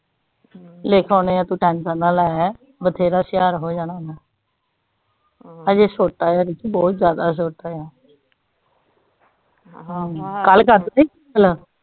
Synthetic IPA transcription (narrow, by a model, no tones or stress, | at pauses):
leːkʰɔ̃ːneːaːt̪ũːʈɛ̃ːnsənaːlaːɛ | bət̪ʰeːɾaːsɪjaːɾɦoːd͡ʒaːɽ̃aːd̪aː | əd͡ʒeːsoːʈaːjaːɾit̪ibɔːt̪zjaːd̪aːs̬oːʈaːjaː | ɦãːkəlkəɾd̪ai | əl